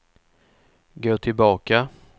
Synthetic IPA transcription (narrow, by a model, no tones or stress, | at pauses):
ɡoːʈʰɪlbɑːka